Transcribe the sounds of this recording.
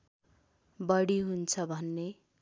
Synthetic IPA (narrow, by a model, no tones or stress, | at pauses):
bʌɽiɦunt͡sʰʌbʱʌnːe